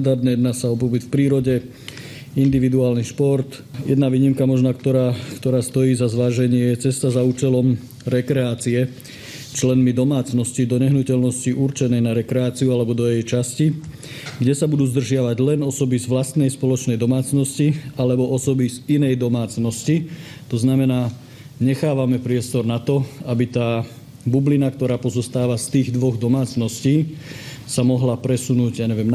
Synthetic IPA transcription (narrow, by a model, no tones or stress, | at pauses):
d̪aɾd̪nɛjɛd̪naːsaɔpɔbit̪fpɾiːɾɔɟɛ | ind̪iʋid̪uaːlniʃpɔɾt̪ | jɛ̰d̪naʋiːɲimkamɔʒnakt̪ɔɾaːkt̪ɔɾaːst̪ɔjiːzazʋaːʒɛɲɪɛjɛt͡sɛst̪azauːt͡ʃɛlɔm | ɾɛkɾɛaːt͡siɛ | t͡ʃlɛnmid̪ɔmaːt͡snɔscid̪ɔɲɛɦnucɛlnɔsciʔuɾt͡ʃɛnɛjnaɾɛkɾɛaːt͡siualɛbɔd̪ɔjɛjt͡ʃasci | ɡɟɛsabud̪uːzd̪r̩ʒɪaʋaɟlɛnɔsɔbizʋlast̪nɛjspɔlɔt͡ʃnɛjd̪ɔmaːt͡snɔscialɛbɔʔɔsɔbizinɛjd̪ɔmaːt͡snɔsci | t̪ɔznamɛnaː | ɲɛxaːʋamɛpɾɪɛst̪ɔɾnat̪ɔabit̪aː | bublinakt̪ɔɾaːpɔzɔst̪aːʋast̪iːɣd̪ʋɔɣd̪ɔmaːt͡snɔsciː | samɔɦlapɾɛsunuːɟjaːɲɛʋɪɛm